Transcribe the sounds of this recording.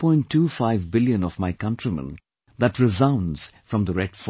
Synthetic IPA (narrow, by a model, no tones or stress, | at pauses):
pʰɔ̃ɪ̃nʈʰːuːfaɪvbɪljə̃nɔvmaɪkʌ̃ntʰɹimə̰̃n | d̪ætɹɪzãʊ̃nz̥fɾʌ̃md̪əɾɛɖ̥f